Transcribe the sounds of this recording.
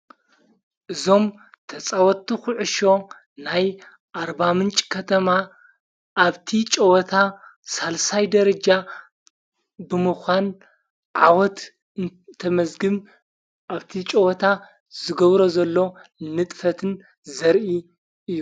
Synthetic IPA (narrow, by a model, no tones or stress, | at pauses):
ʔɨzo̞m | t̪ʰɐt͡sʼawɔt̪ːixʊʕɨʃo̞ | naj | ʔaɾbamɨnt͡ʃʼkʰɐt̪ʰɐma | ʔːβt̪ʰit͡ʃʼɐwɔt̪ʰasalsajd̪ɐɾɐd͡ʒa | bɨmɨxʷan | ʕa̰wɔt̪ | t̪ʰɐmɐzɡɨm | ʔaβt̪ʰit͡ʃʼɐwɔt̪ʰa | z̥ɨɡɐβɾo̞zɐlːo̞nɨt̪ʼfɐt̪ʰɨn | zɐɾʔi | ʔɨjːu